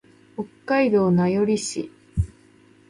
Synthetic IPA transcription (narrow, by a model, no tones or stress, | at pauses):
okːaid̪o̞ːnajo̞ɾʲiɕḭ